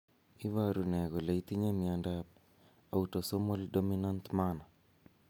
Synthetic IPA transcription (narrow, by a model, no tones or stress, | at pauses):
iwaɾunɛɣolait̪iɲamiandap̚ | autosomoldominantmana